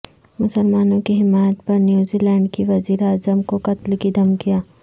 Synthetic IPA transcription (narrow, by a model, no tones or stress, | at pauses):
mʊsəlmaːnõkiɦɪmaːjət̪̚pɐɾnjuːzilɛ̃ːɳɖkiʋɐziːɾaːzəmkoqɐt̪lkid̪ɐmkijaː